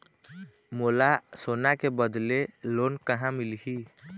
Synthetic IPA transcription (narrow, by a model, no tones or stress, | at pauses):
moːlasoːnakebəd̪lelonkəɦãmilɦi